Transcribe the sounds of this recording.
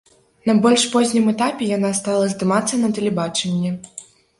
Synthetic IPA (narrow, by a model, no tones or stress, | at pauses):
nɐbɔlʲʂpɔzʲnʲɨmɛt̪apʲɛjan̪ast̪alˠɐzd̪ɨmat̪sːɐnɐt̪ɛlʲɛbat͡ʂɛnʲːɛ